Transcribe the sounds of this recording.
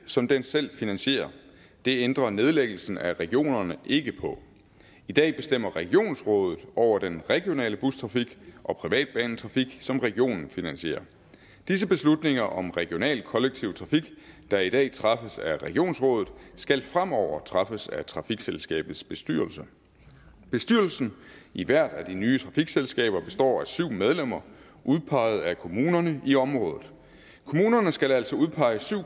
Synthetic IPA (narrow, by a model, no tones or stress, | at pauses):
sɒ̽md̥ensel̰finænɕe̝̰ːɐ | d̥e̝end̥ʁɐne̝ð̞ˠleɡ̥l̩sn̩æʁɛɡ̥io̝̰ːnɐnəʔe̝ɡ̥əpʰɒ̽ | id̥ɛ̰ːb̥e̝sd̥em̰ɐʁɛɡ̥io̝̰ːnsʁɔ̽ːð̞ˠð̩ˠɒʊ̰ɐd̥enʁɛɡ̥jo̝nɛ̰ːləb̥ust͡sʰʁɑ̈fiɡ̥ʔɒ̽pʰʁiʋɛ̰ːd̥̚b̥ɛ̰ːn̩t͡sʰʁɑ̈fiɡ̥sɒ̽mʁɛɡ̥io̝̰ːnn̩finænɕe̝̰ːɐ | d̥is̬əb̥e̝slud̥ne̝ŋɐʔɒ̽mʁɛɡ̥jo̝nɛ̰ːlkʰɒ̽leɡ̥̚t͡sʰiʊt͡sʰʁɑ̈fiɡ̥ | d̥ɑ̈id̥ɛ̰ːt͡sʰʁɑ̈fəsæʁɛɡ̥ijo̝̰ːnsʁɔ̽ːðˠð̩ˠsɡ̥ælfʁam̰ɒʊ̰ɐt͡sʰʁɑ̈fəsæt͡sʰʁɑ̈fiɡ̥selsɡ̥ɛ̰ːb̥ð̩ˠsb̥e̝sd̥y̰ɐlsə | b̥e̝sd̥yɐl̩sn̩iʋæɐ̰d̥æd̥inyːt͡sʰʁɑ̈fiɡ̥selsɡ̥ɛ̰ːb̥ɐb̥e̝̥sd̥ɒ̰ːæsyʊ̰með̞ˠlem̰ɐ | ʔuð̞ˠpʰɑ̈ɪð̞̩ˠækʰo̝muːnɐnəʔiɒ̽mʁɔ̽ːðˠð̩ˠ | kʰo̝muːnɐnəsɡ̥ælæl̰sɒ̽uð̞ˠpʰɑ̈ɪəsyʊ̰